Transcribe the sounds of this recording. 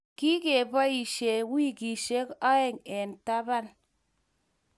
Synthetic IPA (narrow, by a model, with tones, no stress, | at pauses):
ki˦ke˨ba˦i˨ʃe˨wi˦ki˨ʃe˦ka˦e˨ŋe˨n˨ta˦ba˦n